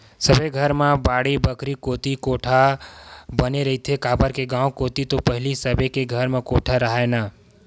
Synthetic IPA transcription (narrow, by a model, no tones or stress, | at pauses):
səbʱeɡʱəɾmãbaːɽibəkɾikoːt̪ikoʈʰa | bəneɾəɦit̪ʰekaːbəɾkeɡãːwkot̪it̪opəɦɪlisəbʱekeɡʱəɾmãkoʈʰaɾəɦana